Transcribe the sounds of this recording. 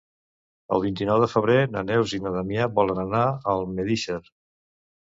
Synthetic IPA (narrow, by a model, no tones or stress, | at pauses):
ə̰lˠβint̪inɔwðəfəβɾenanɛwzinaðamiaβɔlənənaəlˠmeðiʃəɾ